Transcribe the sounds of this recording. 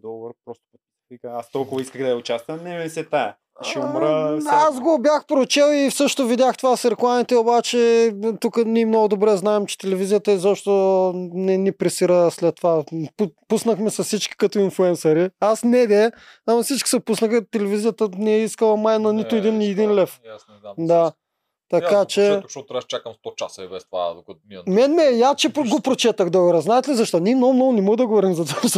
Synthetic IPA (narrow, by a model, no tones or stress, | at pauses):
d̪ɔɡbəɾpɾɔst̪ʊkɐk̪sɛvikəast̪ɔlˠkʊvɐiskəɣd̪ɐʊt͡ʃast̪vɐmnɛmɛsɛt̪aɛ | ʃɛomɾəazɡobʲjaxpɾot͡ʃɛlˠifsɤʃt̪ovid̪ʲaxt̪ovasɾɛklˠamit̪ɛobat͡ʃɛt̪ukənimnɔɡʊd̪obɾɛznaɛmt͡ʃɛ̥t̪ɛlɛvizijət̪əɛzɔpʃt̪onɛnipɾɛsiɾəslɛt̪ːovapupusnəxmɛsɐssit͡ʃkʲi̥kɐt̪oinflˠuɛnsɐɾiasnɛd̪ɛ | amɐfsit͡ʃkʲi̥sɛpusnəxət̪ɛlɛvizijət̪ənɛɛiskəlˠɐmajnɐnit̪ʊɛd̪iniɛd̪inlɛf | d̪a | t̪ɐkat͡ʃɛʃɔɾɛʃt͡ʃakəmst̪ɔt͡ʃa̰sɐibɛst̪va̰d̪okɐt̪mɛnmɛjast͡ʃɛɡopɾot͡ʃɛt̪əxd̪ɔɡɛɾɐznaɛt̪ɛlizɐʃt̪ɔnimnɔmnɔɡʊnɛmɔɣd̪ɐɡovɔɾimzɐt̪aʃ